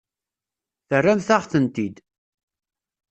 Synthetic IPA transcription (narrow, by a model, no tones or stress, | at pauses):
θərːæmθaʁθənt̪id̪